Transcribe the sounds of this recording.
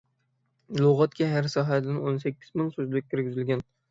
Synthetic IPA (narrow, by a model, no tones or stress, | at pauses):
lˠoʁɑt̪kʲʰɛɦæɾsɒːɦæd̪ɪnonsækʲʰːɪzmɪŋsɵzlɪkʲkʰʲːɪɾɡʲɪzɪlɡʲɛn